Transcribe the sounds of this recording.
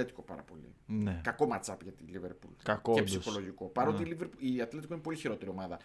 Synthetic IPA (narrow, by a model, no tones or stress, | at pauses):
et̪i̥ko̞pɐ̰ɾɐpo̞lḭnekɐko̞mɐt͡sɐpʝɐt̪iliveɾpṵlkɐkoepssixo̞loʝiko̞pɐɾo̞t̪iːliveɾpuiɐt̪le̞t̪ikoinepo̞liçiɾo̞t̪e̞ɾio̞mɐðɐ